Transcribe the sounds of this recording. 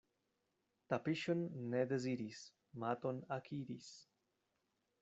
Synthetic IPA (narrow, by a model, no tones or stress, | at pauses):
t̪apiʃonːed̪e̞ziɾis | mat̪onakʰiɾis